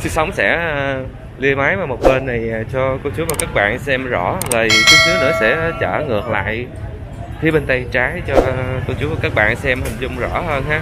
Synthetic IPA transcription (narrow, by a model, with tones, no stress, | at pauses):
sɨ˨˦sa˨˦wŋ͡msɛ̰˧˥ | li˧əmaː˨˦jvaː˨˩mo˨˩t̚ɓə˧nːa˨˩jt͡ɕɔ˧kɔ˧t͡ɕu˨˦maː˨˩kaː˦˥k̚ɓa̰ː˧˨nsɛ˧mzɔ˧˩zəː˨˩ki˨˦t͡ɕu˨˦ənɨ̰˧˦sɛ̰˧˥t͡ɕə̰ː˧˩ŋɨ˨˩ək̚la̰ː˧˨j | xʰi˨˦ɓe˧nt̪ə˧jt͡ɕaː˨˦jt͡ɕɔ˧kɔ˧t͡ɕu˨˦vaː˨˩kaː˦˥k̚ɓa̰ː˧˨nsɛ˧mhï˨˩ŋ̟zʊ˧ŋ͡mzɔ̰˧˥ɦəː˧nhaː˨˦˥